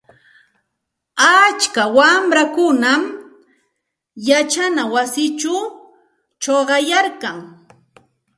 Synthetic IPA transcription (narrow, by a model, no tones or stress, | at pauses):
at͡ʃkawamɾakʊnam | jat͡ʃanawasɪt͡ʃʊ | t͡ʃoɢɑjaɾkaŋ